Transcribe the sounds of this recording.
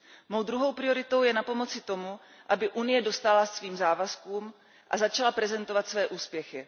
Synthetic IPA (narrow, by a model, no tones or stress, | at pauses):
mo̞wdɾuɦo̞wpɾɪo̞ɾɪt̪o̞wjɛnapo̞mo̞t͡sɪt̪o̞mu | ʔabɪʔunɪjɛdo̞st̪alasviːmzaːvaskuːm | ʔazat͡ʃalapɾɛzɛnt̪o̞vat̪svɛːʔuːspjɛxɪ